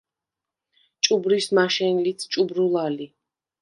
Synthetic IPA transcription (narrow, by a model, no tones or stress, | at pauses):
t͡ʃʼubɾismaʃɛnlit̪ʰt͡ʃʼubɾulˠali